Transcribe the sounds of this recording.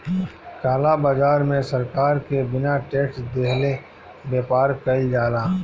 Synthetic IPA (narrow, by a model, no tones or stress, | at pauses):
kaːlabaːzaːɾmẽsɐɾkaːɾkebɪnaʈeːʈsd̪eɦle | beːpaːɾkɐid͡ʒaːlaː